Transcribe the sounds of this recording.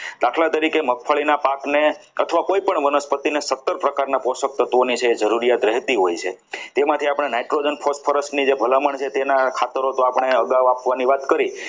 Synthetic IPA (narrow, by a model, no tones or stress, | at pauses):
d̪aʈʰlat̪əɾikemək̚fʰəɭinapakneət̪ʰʋakoipəɳʋənəspət̪inesət̪ːəɾpɾəkaɾnaposək̚t̪ət̪ʋonit͡ʃʰeːd͡ʒəɾuɾijat̪ɾɛɦt̪iɦojt͡ʃʰet̪emãt̪ʰiapəɳ̃enajʈɾod͡ʒənpʰosfʰəɾəsʈnid͡ʒebʱəlaməɳt͡ʃʰet̪enakʰat̪əɾot̪oapəɳ̃eəɡaʋapʋaniʋat̪kəɾi